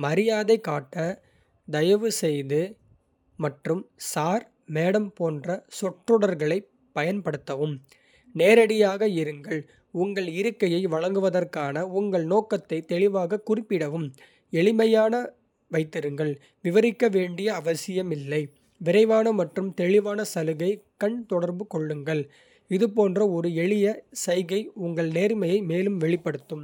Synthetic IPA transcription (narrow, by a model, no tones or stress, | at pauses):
mɐɾɪjaːðɐɪkːaːʈːɐ | d̪ɐjɐʋɯsɛjðɯ | mɐʈrɯmsaːɾ | meːɽɐmpoːndrɐsɔʈrɯɽɐɾɣɐɭɐɪ | pːɐjɐnpɐɽɯt̪ːɐʋɯm | neːɾɐɽɪjaːɣɐɪɾɯŋɡɐɭ | ʊŋɡɐɭɪɾɯkːɐjɐɪʋɐɭɐŋɡɯʋɐðɐrkaːnɐʊŋɡɐɭnoːkːɐt̪ːɐɪt̪ɛɭɪʋaːɣɐkːʊrɪpːɪɽɐʋɯm | ɛɭɪmɐjaːnɐ | ʋɐɪt̪ːɪɾɯŋɡɐɭ | ʋɪʋɐɾɪkːɐʋeːɳɖɪjɐːʋɐsɪjɐmɪlːɐɪ | ʋɪɾɐɪʋaːnɐmɐʈrɯmt̪ɛɻɪʋaːnɐsɐlɯɣɐɪkɐɳt̪ɔɽɐɾbɯkɔɭːɯŋɡɐɭ | ɪðɯp̬oːndrɐɔɾɯɛɭɪjɐsɐɪɣɐɪʊŋɡɐɭneːɾmɐjɐɪmeːlɯmʋɛɭɪpːɐɽɯt̪ːɯm